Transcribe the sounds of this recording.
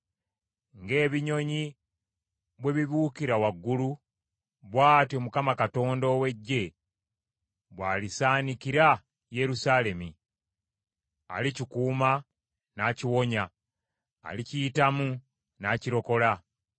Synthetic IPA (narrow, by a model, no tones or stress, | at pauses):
ŋɡe̞ːβiɲo̞ɲi | βwe̞βiβuːkiɾawaɡːulu | βwaːtio̞mukamakato̞ːndo̞we̞ɟːe̞ | βwaːlisaːnikiɾa | je̞ɾusale̞mi | a̰licikuːma | naːciwo̞ɲa̰ː | liciitamu | naːciɾo̞ko̞la